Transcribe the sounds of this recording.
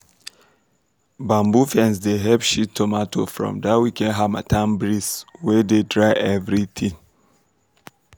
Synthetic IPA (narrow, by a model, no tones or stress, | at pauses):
bãmbufɛ̃nsdeɦɛbʃitʰːɔmatʰofɹɔ̰̃mdawikɛ̃nɦama̰tʰãmbɹiswɛdedɹaɪʔɛvɹiθʰĩŋ